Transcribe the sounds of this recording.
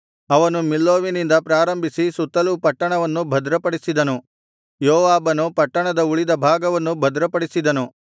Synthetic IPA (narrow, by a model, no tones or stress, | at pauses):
ɐʋɐnumilːoːʋinind̪ɐpɾaːɾɐmbʱisisut̪ːɐlupɐʈːɐɳɐʋɐnːubʱɐd̪ɾɐpɐɽisid̪ɐnu | joːʋaːbɐnupɐʈːɐɳɐd̪ɐuɭid̪ɐbʱaːɡɐʋɐnːubʱɐd̪ɾɐpɐɽisid̪ɐnu